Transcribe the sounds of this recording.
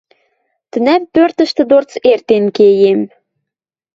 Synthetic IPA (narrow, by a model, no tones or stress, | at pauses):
t̪ə̆næmpørt̪ə̆ʃt̪ə̆d̪ort͡sert̪enkejem